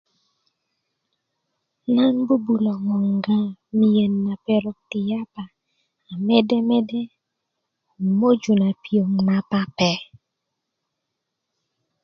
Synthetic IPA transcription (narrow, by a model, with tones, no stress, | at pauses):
na˦nbu˦bu˨lɔ˨ŋɔ˨ŋ˨ɡã˦mi˨jə˨nːa˨pɛ˨ɾɔ˨k̚ti˨ja˦pa˨ | a˨mɛ˦dɛ˦mɛ˦dɛ˦˨ | mo˦d͡ʒu˨na˨pi˨o˨ŋ˨na˦pa˦pɛ˦